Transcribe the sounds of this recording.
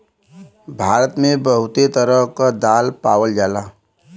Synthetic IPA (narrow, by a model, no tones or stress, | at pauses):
bʱaːɾət̪mẽbəɦʊt̪et̪əɾəɦkad̪aːlpaːwəld͡ʒaːlaː